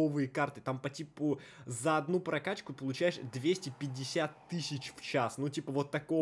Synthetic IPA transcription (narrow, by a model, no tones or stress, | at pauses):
ovɨjəkart̪ɨt̪ampɐtʲipʊzəɐd̪nupɾɐkat͡ɕkʊpəlˠʊt͡ɕæjɪʂd̪vʲesʲtʲɪpʲɪdʲːɪsʲat̪ːɨsʲɪt͡ɕft͡ɕasnutʲipəvo̞t̪ːɐko